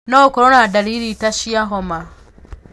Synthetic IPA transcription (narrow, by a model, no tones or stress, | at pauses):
nokoɾonadaliɾitaʃiaɦoma